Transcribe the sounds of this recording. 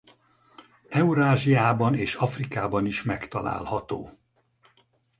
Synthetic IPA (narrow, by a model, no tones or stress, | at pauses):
ɛuɾaːʒiaːbɒneːʃɒfrikaːbɒniʃmɛkt̪ɒla̰ːlhɒt̪o̰ː